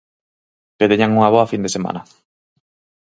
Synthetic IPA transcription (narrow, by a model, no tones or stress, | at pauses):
peðeɲaŋuŋaβɔafind̪esema̰nɐ